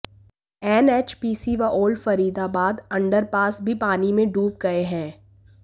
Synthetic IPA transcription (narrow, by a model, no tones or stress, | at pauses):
ɛːneːt͡ʃpiːsiʋaʔoːlfɐɾiːd̪abaːd̪ɐ̃ɳɖəɾpaːsbʱipaːnimẽɖuːp̚ɡɐeɦɛ̃ː